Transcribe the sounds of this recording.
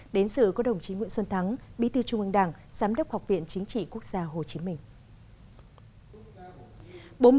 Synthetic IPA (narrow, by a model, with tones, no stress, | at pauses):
ɗe˨˦nsɨ̰˧˨kɔ˨˦˥ɗə˨˩wŋ͡mt͡ɕi˨˦ŋwḭ˧˨ənswə˧nt̪ʰa˨˦ŋɓḭ˧˥t̪ɨ˧t͡ɕʊ˧ŋ͡mʔɨ˧ŋɗaː˧˩ŋ | z̥aː˨˦mɗə˦˥k͡p̚ha˨˩wk͡p̚vḭ˧˨ənt͡ɕï˨˦ŋ̟t͡ɕḭ˧˨ku˦˥ək̚z̥aː˧ɦo˨˩t͡ɕi˨˦mï˧˩ŋ̟ | ɓo˨˦